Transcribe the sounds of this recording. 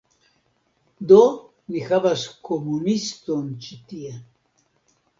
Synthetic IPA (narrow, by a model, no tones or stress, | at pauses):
d̪o | nixavaskomunist̪ont͡ʃit̪ia